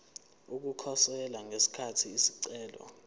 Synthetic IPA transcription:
uk̬ukʰɔsɛlaŋesi̥kʰatʰiːsi̥ǀɛːlɔ̰

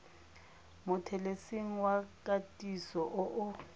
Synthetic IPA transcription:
mʊtʰɛlesiŋ̩wakʼatʼisɔʔʊʔʊ

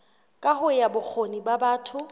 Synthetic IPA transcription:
kʼahʊjabʊk͡xʰonibabaːtʰʊ

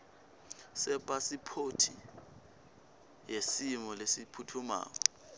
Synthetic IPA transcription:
sɛpʼasipʰotʰi | jesimɔlesipʰutʰuma̰ːk̬ɔ

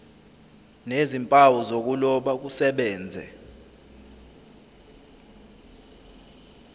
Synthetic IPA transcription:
nezimpʼawɔzok̬ulɔɓak̬usɛɓɛːnd͡zʱɛ̰

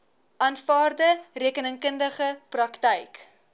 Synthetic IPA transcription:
ʔɑnfɑːrdəriəkənəŋkəndəχəprɐktəjk

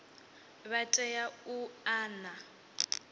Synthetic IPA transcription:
βatʼɛjauaːna

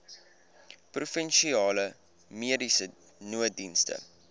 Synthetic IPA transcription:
prufənʃiɑːlə | miədisə | nuədinstə̰

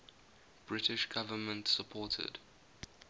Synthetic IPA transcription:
b̥ɹɪtɪʃɡ̥avəmə̃ntsəpʰɔːtʰə̰d̥

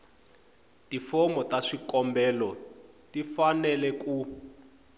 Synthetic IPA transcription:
tifɔmɔtaʂikɔmbɛːlɔ | tifanɛlɛku

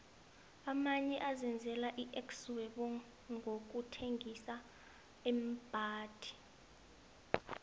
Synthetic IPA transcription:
amaɲɛʔazɛnd͡zʱɛlaʔiʔɛkswɛɓɔ | ŋʱok̬utʰeŋɡisa | ɛm̩b̥ʱaːd̥ʱi̥

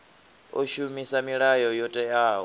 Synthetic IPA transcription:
oʃumisamiɺajɔjɔtʼɛjaːɦɔ

